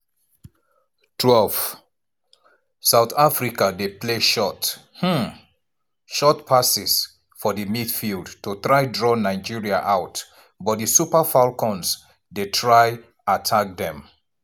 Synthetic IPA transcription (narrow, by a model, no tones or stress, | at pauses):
tʰwɛlv | saʊθafɹikadepleʃɔt | h̩ | ʃɔtpʰasis | fɔðɨmidfilˠdtutɹaɪdɹɔnaɪd͡ʒiɹiaʔaʊt | bɔt̚disupafalkɔ̃ns | detʰɹaɪ | atʰak̚ðɛ̃m